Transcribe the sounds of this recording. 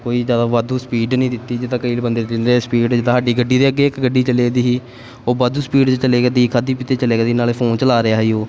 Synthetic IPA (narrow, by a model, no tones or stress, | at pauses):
koːiːzjaːd̪aːʋad̪uːspiːɖnəĩːd̪ɪt̪ːiːd͡ʒɪt̪ãːkəiːlbənd̪eːɪnɾespiːɖd͡ʒɪd̪aːɦaːɖiːɡəɖiːd̪eːəɡeːɪkɡəɖːiːt͡ʃəleːd̪iːɦiː | oːbaːd̪uːspiːɖt͡ʃəleːɡəd̪iːkʰaːd̪iːpɪt̪eːt͡ʃəleːɡəːd̪iːnaːleːpʰoːnt͡ʃəlaːɾɪaːɦiːoː